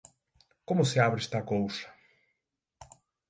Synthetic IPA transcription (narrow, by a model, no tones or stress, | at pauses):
komʊsɪaβɾest̪ɐkowsɐ̥